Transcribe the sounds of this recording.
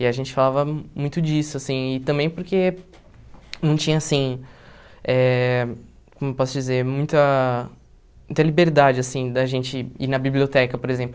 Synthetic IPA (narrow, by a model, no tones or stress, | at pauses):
ɪaʒẽnt͡ʃɪ̥falavɐmũj̃t̪ʊd͡ʒisʊasĩɪt̪ɐ̃mbẽj̃poɾke | nɐ̃w̃t͡ʃĩɲɐasĩ | ɛ | kõmʊewpɔsʊd͡ʒizeɾmũj̃t̪ɐ | mmũt̪ɐlibeɾd̪ad͡ʒɪasĩd̪ɐʒẽnt͡ʃɪinɐbiblʲiot̪ɛkɐpoɾezẽmplʊ